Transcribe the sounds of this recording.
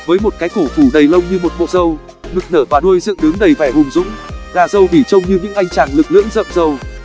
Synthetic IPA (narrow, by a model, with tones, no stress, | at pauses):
vəː˨˦jmo˨˩t̚kaː˨˦jt̪o˧˩t̪u˧˩ɗə˨˩jlə˧wŋ͡mɲɨ˧mo˨˩t̚ɓo̰˧˨˩t̚zə˨˩w | ɗɨ˨˩k̚nəː˧˩vaː˨˩ɗu˧əjzɨ̰˧˨ɗɨ˨˦ŋɗə˨˩jvaː˧˩hʊ˨˩ŋ͡mzʊ̰˧˥ŋ͡mzaː˨˩zə˨˩wvi˧˩t͡ɕə˧wŋ͡mɲɨ˧ɲɨ̰˧˥ŋʔa˧jŋ̟t͡ɕaː˨˩nlɨ˨˩k̚lɨ̰˧˥əŋzə̰ː˧˨mzə˨˩w